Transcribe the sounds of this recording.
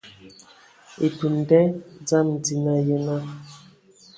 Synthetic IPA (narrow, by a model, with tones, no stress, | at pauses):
e˨tu˨n˨dɛ˦d͡za˦˨mn̩˨di˨na˦jə˦na˦